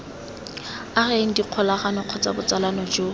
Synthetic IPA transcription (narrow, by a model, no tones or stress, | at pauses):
areŋ̩diq͡χʰɔlaχanɪq͡χʰɔt͡sʼa̰bʊt͡salanɔd͡ʒo